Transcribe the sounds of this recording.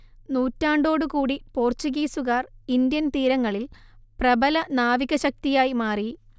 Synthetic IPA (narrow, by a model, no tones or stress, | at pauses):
nuːtːaːɳɖo̞ːɽɨkuːɽipo̞ːrt͡ɕuɣiːsuɣaːrind̪jɐnt̪iːɾɐŋːɐɭilprɐbɐlɐnaːʋiɣɐɕɐk̚t̪ijaːjimaːri